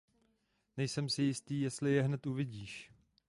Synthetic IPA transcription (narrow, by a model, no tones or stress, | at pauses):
nɛjsɛmsɪjɪst̪iːjɛst̪lɪjɛɦnɛt̪uvɪɟiːʃ